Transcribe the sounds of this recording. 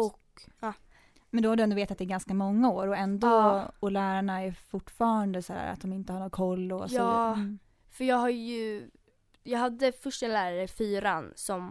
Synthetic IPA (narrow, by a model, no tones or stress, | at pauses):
ɔkː | mɛnd̪ɔhaɾɖɵɛnd̪ɔveːt̪at̪ɛɾɡanskamɔŋːaoːɾɔɛnd̪ɔɔlæːɾaɳaɛɾfʊʈːfɑːɾand̪əsahæ̰ːɾa̰t̪̚d̪ɔmɪnt̪əhaɾɳoːkʰɔlːɔsɑː | fœɾjɑːɡɦaɾjɵ | jɑːɡɦad̪ːəfœʂʈɛnlæːɾaɾəfyːɾansɔm